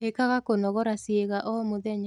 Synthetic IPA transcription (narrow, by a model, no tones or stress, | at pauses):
ekaɣakonɔɣɔɾasieɣaʔɔmoðɛɲa